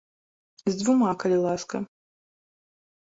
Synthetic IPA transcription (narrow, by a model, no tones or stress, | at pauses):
zʲd̪vumakɐlʲilˠaskɐ